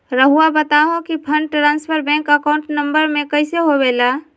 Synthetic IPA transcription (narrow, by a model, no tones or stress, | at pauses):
ɾəɦuabət̪aɦõkipʰəɳɖʈɾãːnspʰəɾbɛ̃ːŋkəkaʊ̃ɳʈnə̃mbəɾmẽkəɪseɦobeːla